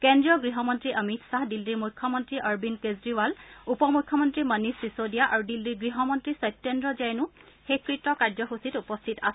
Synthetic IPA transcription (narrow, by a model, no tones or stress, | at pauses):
kendɹijɔɡɹiɦɔmɔntɹiʔəmitʰsaɦdildiɹmujkʰːɔmɔntɹiʔəɹbinkezɹiwalupɔmukʰːɔmɔntɹimənisːisodijaʔaɹudildiɡɹiɦɔmɔntɹisɔjp̚tendɹɔzajnʊ | hekɹitɔkaɹzɔxusitupɔstʰitas